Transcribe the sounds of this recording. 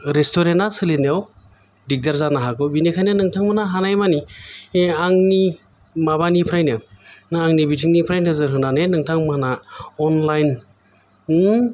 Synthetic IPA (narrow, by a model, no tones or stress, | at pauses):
ɾestoɾentasɯlinjaw | dik̚daɾzanaɦakɯbinikʰajnɯnɯŋtʰaŋmanaɦanajmani | aŋni | maβanipʰɾajnɯnɯaŋnibitʰiŋnipʰɾajnɯzɯɾɦɯnanɯnɯŋtʰaŋmanaɔnlajn